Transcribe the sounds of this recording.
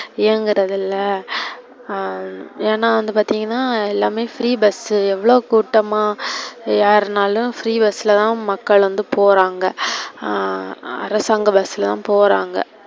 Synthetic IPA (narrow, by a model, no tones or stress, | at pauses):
eːŋɡɪɾɐðɪlːɐ | eːnːaːʋɐnd̪ɯpaːɾt̪iːŋɡɐnːaːɛlːaːmeːfɾiːbɐsɯɛʋːɐɭoːkuːʈːɐmaːjaːɾnaːlʊ̃fɾiːbɐsːɪlɐt̪ãːmɐkːɐɭʋɐnd̪ɯpoːɾaːŋɡɐ | ɐ̰ɾɐsaːŋɡɐbɐsːɪlɐt̪ã̰ːpoːɾaːŋɡɐ̰